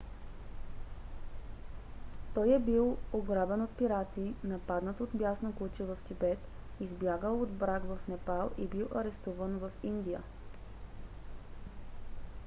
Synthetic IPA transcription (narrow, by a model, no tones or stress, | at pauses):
t̪ɔjɛbilˠoɡɾabɛnot̪̚piɾat̪inɐpad̪nət̪od̪bjasnokut͡ʃɛvɐft̪ibɛt̪ | izbjaɡəlˠod̪bɾakvɐfnɛpalˠibilˠʔɐɾɛst̪uvənvəfind̪ijə̰